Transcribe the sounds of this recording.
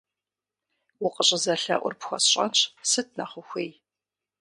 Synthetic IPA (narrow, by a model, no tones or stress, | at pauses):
wʊqʼəɕʼɪzɐɬɐ̰ʔʷʊ̰rpxʷɔ̰sɕʼɐ̰nɕʰsɨt̚ʰnɐχʷʊxʷej